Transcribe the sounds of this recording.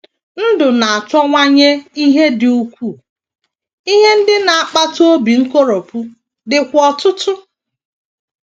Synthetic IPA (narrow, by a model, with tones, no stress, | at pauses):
n̩˦dʊ˨na˨a˨tɔ˦ŋʷa˦ɲe˦i˦ɦe˦dɪ˨u˦kʷu˦˨ | i˦ɦe˦n̩˦dɪ˦na˨a˨k͡pa˦to˦bi˨ŋ̩˦ko˦ɾo˨pu˦ | dɪ˨kʷɔ˨tʊ˦tʊ˦